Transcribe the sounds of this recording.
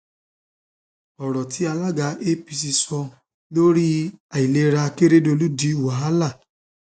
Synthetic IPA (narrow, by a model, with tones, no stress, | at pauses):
ɔ˨ɾɔ˨ti˨˦a˧la˦ɡa˧ʔe˦pi˧s̬i˧sɔ˧ | lo˦ɾi˦a˨i˨le˧˦ɾa˧ke˦ɾe˦do˧lu˦di˨˦u˨wa˨ɦa˦la˦˨